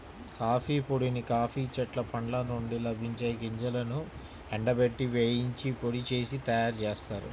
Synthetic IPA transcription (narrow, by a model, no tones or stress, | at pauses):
kaːpʰiːpoɽinikaːpʰiːt͡ʃɐʈlɐpɐɳlɐnoɳɖilɐbʱiɲt͡ʃɐːjɡiɲd͡ʒɐlɐnu | ɛɳɖɐbeʈːiʋeːjiɲt͡ʃipoɽit͡ʃe̞ːsit̪ɐjaːɾt͡ʃeːst̪aːɾṵ